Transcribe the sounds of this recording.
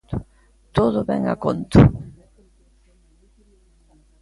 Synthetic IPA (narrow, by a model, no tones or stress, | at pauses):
t̪ʊ | t̪oðʊβɛ̰ŋa̰kont̪ʊ